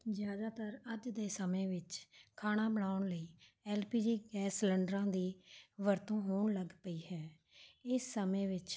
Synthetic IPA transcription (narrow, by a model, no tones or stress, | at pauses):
d͡ʒjaːd̪aːt̪əɾəd͡ʒd̪eːsəmẽːʋɪt͡ʃkʰaːɽ̃ãːbəɳaːʊɳləiː | ɛːlpiːd͡ʒiːɡɛːsləɳɖɾãːd̪iːʋəɾt̪õːɦoːɳləɡpəiːhɛː | ɪsːəmẽːʋɪt͡ʃ